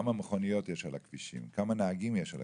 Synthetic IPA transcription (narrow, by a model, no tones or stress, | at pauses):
mameχonijo̞tjeʃalhakv̥iʃḭmkamanaːɡimjeʃa̰l